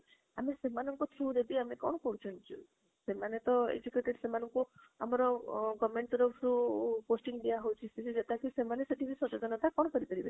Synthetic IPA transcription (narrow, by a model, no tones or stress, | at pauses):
amesemanɔŋkut̪ʰuɾeb̪iamekɔɽ̃ɔkɔɽut͡ʃʰɔnt͡ʃʰu | semanet̪ɔḛd͡ʒukeʈeɖsemanɔŋku | a̰mɔɾɔɡɔmeɳʈɾɔpʰɾuposʈiŋɖijaɦowt͡ʃʰisisʰid͡ʒet̪akusemaneseʈibʱisɔt͡ʃod͡ʒ̪ɔnɔt̪ʰakɔɽɔkɔɾipɔɾibe